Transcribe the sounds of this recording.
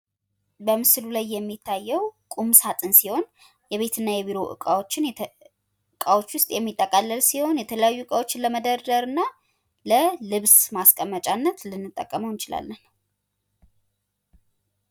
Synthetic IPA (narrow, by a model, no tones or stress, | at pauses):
bəmɨslulajːɛmːit̪ʰːajːɛwkʼumsat̪ʼɨnsiho̞n | jɛβe̞t̪ʰɨnːajɛβiɾo̞ʔɨ̰kʼawo̞t͡ʃːɪn | ɨkʼawo̞t͡ʃːwʊst̪ʼjɛmːit̪ʼːəkʼalːəlsiho̞njɛt̪ʰələjajːuɨkʼawo̞t͡ʃːɪnləməd̪əɾd̪əɾɨnːa | ləlɨβsmaskʼəmːət͡ʃʼanːət̪lɨnːɨt̪ʼːə̰kʼːəməwnt͡ʃɪla̰lːən